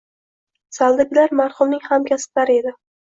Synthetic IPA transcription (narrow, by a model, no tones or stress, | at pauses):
salˠd̪ɪɡʲlaɾmaɾχʊmnɪŋhamkʲʰasɪ̥plaɾɪe̞d̪ɪ